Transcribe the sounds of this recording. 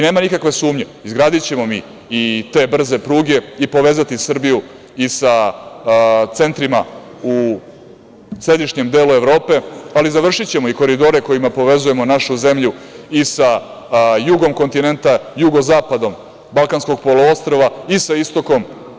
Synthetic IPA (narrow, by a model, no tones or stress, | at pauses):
ine̞ːmanikakʋe̞suːmɲe̞izɡɾaːd̪it͡ɕe̞mo̞mi | it̪e̞ːbr̩ze̞pɾuːɡe̞ipo̞ʋeːzat̪isrbiju | isa | t̪se̞nt̪ɾima | u | sɾe̞d̪iʃɲe̞md̪e̞ːlue̞ʋɾo̞ːpe̞alizaʋr̩ʃit͡ɕe̞mo̞iko̞ɾid̪o̞ɾe̞ko̞jimapo̞ʋe̞zuje̞mo̞naʃuze̞mʎuisa | juɡo̞mko̞nt̪ine̞nt̪ajuɡo̞zaːpad̪o̞m | balˠkansko̞ɡ̚po̞loo̞st̪ɾo̞ʋaisaist̪o̞ko̞m